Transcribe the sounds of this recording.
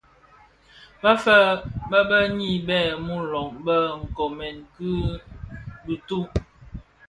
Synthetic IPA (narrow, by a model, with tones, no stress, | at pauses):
bfə˦bə˦bə˦ɲi˦˨bɛ˦˨mu˦lɔ˨ŋbə˦ŋ̩˨kɔ˨mɛ˨nki˦ | bi˨tu˦